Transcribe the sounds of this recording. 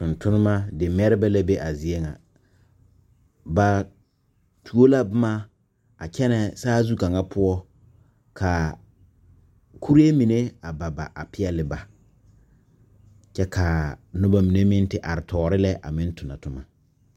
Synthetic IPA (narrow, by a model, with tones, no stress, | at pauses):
tʊ˨ntʰʊ˦nɪ˦ma˦dɪ˨m˦ɛ˦ɾɪ˦bɛ˦la˦be˦ʔa˨zi˨e˦ŋa̰˨ | ba˨ | tʰu˨o˦la˦bʊ˦ma˦ | a˨kɛ˦nɛ˨saː˦zu˦ka˨ŋa˦pʰʊ˦ɔ˦ | kʰa˨ | kʰu˦ɾi˦e˦mi˨ne˦a˨ba˨ba˨ʔa˨pɪ˦ɛ˦lɪ˨˦ba˨ | t͡ʃɛ˦kʰa˨nʊ˦ba˦mi˨ne˦mɪ˦n˦tɪ˨ʔa˨ɾɪ˨tʰɔː˨ɾɪ˦lɛ˦ʔa̰˨mɪ˦n˦tʰʊ˨na˨tʊ˦ma˨